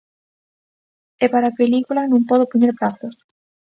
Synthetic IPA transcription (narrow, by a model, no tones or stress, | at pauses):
epaɾapelikulanõŋpɔðopoɲeɾpɾaθos